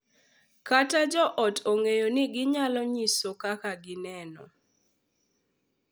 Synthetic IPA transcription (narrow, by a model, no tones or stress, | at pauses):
katad͡ʒɔʔɔtʰoŋejonɪɡɪɲalɔɲisokakaɡɪnɛnɔ̰